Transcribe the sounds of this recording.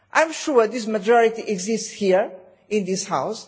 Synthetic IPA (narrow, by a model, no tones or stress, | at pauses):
ʔãj̃mʃuɹd̪isməd͡ʒɔɹitiʔɛɡzistshiɹ | ɪ̃nd̪ishaws